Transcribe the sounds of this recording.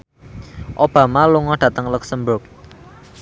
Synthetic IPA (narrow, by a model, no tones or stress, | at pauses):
ʔob̥ä̤maluŋɔɖ̥ä̤t̪əŋluksəmbʊk̚